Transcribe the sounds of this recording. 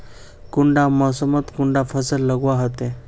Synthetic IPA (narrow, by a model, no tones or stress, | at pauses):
kuɳɖamɔsəmət̪kuɳɖafʰəsəlləɡʋaɦot̪e